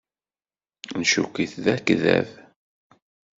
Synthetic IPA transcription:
nʃukiθðækːðæ̰v

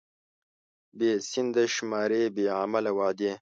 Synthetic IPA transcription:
beːsind̪ɐʃmaːɾeːbeːamɐlɐwaːd̪eː

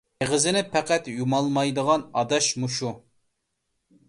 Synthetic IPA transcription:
eʁəzɪnɪpʰæqæt̪jumɑlˠmɑjd̪əʁɑnɑd̪ɑʃmuʃu

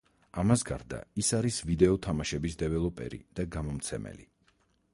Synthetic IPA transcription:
amasɡa̰ɾd̪a̰isaɾisvid̪ɛɔt̪ʰamaʃɛbisd̪ɛvɛlˠɔpʼɛ̰ɾḭd̪̥aɡamɔmt̪sʰɛmɛ̰li

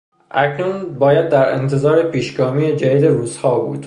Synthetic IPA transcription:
ʔæcʰnunbɒːjæd̪ːæɾḛnt̪ʰe̞zɒːɾepʰiːʃɡɒːmiːed͡ʒæd̪iːd̪e̞ɾuːzhɒːbṵːd̪̥

